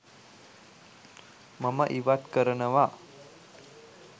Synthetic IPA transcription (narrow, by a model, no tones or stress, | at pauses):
məməʔiʋat̪kəɾənəʋa